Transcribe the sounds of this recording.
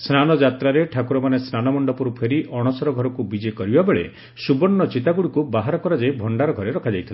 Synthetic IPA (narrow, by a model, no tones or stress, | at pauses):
snanɔd͡ʒat̪ɾaɾeʈʰakuɾɔmanesnanɔmɔɳɖɔpɔɾupʰeɾiʔɔɽ̃ɔsɔɾɔɡʱɔɾɔkubid͡ʒekɔɾibabeɭe | subɔnːɔt͡ʃit̪aɡuɽikubaɦaɾɔkɔɾad͡ʒajbʱɔɳɖaɾɔɡʱɔɾeɾɔkʰad͡ʒajt̪ʰila